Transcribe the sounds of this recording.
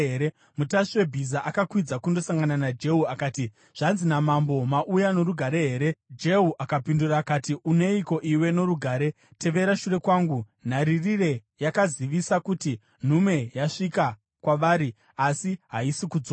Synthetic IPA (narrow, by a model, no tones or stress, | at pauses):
eɾe | mutaʂiwe̞bʱizaʔakakwid͡zakundo̞saŋɡananad͡ʒe̞ɦuakaːti | ʐ̥anzinamambo̞maʔujano̞ɾuɡʱaɾe̞ɦe̞ːɾe̞d͡ʒe̞ɦuʔakapinduraːkatiune̞iko̞ʔiwe̞no̞ɾuɡʱaːɾe̞ | te̞ʋe̞ɾaʃure̞kwaːŋɡu | n̤aɾirire̞ | jakaziʋisakuti | n̤ume̞jaʂika | kwaʋaːɾi | asiɦaisikud͡zoːa